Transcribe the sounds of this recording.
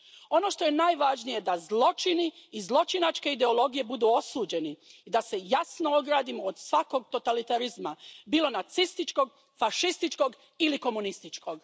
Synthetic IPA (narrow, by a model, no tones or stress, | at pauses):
o̞noʃt̪o̞je̞naːjʋaːʒnije̞d̪azlˠo̞t͡ʃiniːzlˠo̞t͡ʃinat͡ʃke̞id̪e̞o̞lo̞ɡije̞bud̪uːo̞suːd͡ʑe̞niid̪ase̞jasno̞oɡɾaːd̪imood̪sʋako̞ɡ̚t̪o̞t̪alit̪aɾizmabiːlo̞nat̪sist̪it͡ʃko̞ɡ̚ | faʃist̪it͡ʃko̞ɡ | iliko̞munist̪it͡ʃko̞ɡ